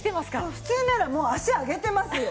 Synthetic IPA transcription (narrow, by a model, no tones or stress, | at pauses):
t̪e̞masɨ̥kaɸɯ̟̥t͡sɨːnaɾamo̞ːaɕiaɡe̞t̪e̞masɨ